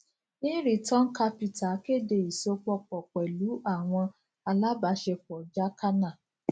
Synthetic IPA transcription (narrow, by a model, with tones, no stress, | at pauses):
nĩ˦ɾi˨tɔ̃˦n̩˦ka˧pi˨ta˨ke˦˨de˧˨i˨so˧k͡pɔ˧k͡pɔ˨k͡pɛ˨lu˨˦a˦˨w̃ɔ̃˧ | a˧la˦ba˨˦ʃɛ˧fɔ˨d͡ʒa˦ka˦nã˦˨